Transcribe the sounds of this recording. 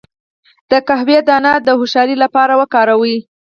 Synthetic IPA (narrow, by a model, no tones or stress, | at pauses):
d̪̥əkaɦwjed̪ɑnad̪əhʊʃɑɾilapɑɾawəkɑɾawi